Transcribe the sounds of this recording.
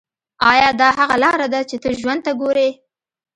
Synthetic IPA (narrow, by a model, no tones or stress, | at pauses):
ɑjɑd̪ɑhaɣalɑɾad̪at͡ʃet̪əʒwand̪̚t̪aɡoɾe